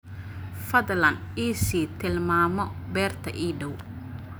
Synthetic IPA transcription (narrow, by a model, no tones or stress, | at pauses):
fɐðlɐnd̪iːsiːt̪ʰɪlmaːmɔbɛːrt̪ʰɐʔiːɖɔw